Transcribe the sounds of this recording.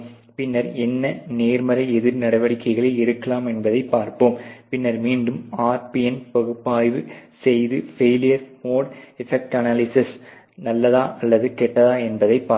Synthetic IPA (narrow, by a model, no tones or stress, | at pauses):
pɪnːɐɾɛnːɐneːɾmɐɾɐɪɛðɪɾnɐɽɐʋɐɽɪkːɐɪɣɐɭeːɪɾɯkːɐlaːmɛnbɐðɐɪpːaːɾpoːmpɪnːɐɾmiːɳɖɯmaːɾpiɛnpɐɣɯpːaːjʋɯsɛjðɯfeːlɪjɐɾmoːɽɛfɛk̚ʈɐnaːlɪsɪs | nɐlːɐðaːʔɐlːɐðɯkɛʈːɐðaːɛnbɐðɐɪpːaː